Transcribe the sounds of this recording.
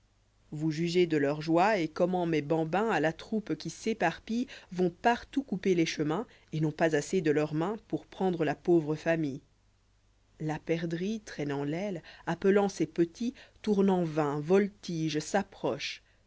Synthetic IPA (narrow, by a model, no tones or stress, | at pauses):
vuʒyʒed̪əlœʁʒwaekɔmɑ̃mebɑ̃bɛ̃alat̪χupkʲisepaʁpivɔ̃paʁt̪ukupeleʃəmɛ̃ | enɔ̃pazased̪əlœʁmɛ̃puʁpχɑ̃d̪ʁəlapovʁəfamij | lapɛʁd̪ʁit̪χɛnɑ̃lɛlapəlɑ̃sepət̪it̪uʁnɑ̃vɛ̃vɔlt̪iʒsapχɔʃ